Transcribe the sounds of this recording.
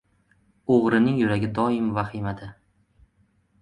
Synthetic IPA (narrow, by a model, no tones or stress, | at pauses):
oʁɾɪnɪŋjʊɾaɡʲɪd̪ɒɪmvaχɪmad̪ɪ